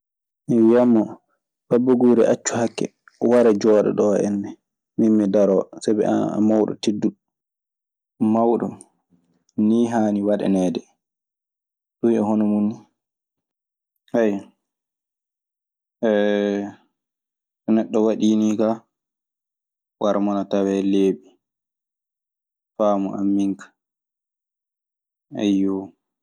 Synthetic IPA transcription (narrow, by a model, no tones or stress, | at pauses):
miwijamːɔ | babːaɡuːɾɛʔat͡ʃːuhakːɛ̰ | waɾɛd͡ʒɔːɗɔ̰ɗɔɛ̰nːɛ | mimːidaɾɔːsabɛa̰mawɗɔ̰tidːu | mawɗɔ | niːɦaːniwaɗɛ̰nɛːdɛ | ɗujɛɦɔnɔmunːi | haj | ɛ | nɛɗːɔwaɗiːniːka | wʔaɾmɔnatawɛleːɓi | faːmɔʔa̰mːiŋkʰḁ | a̰jːɔ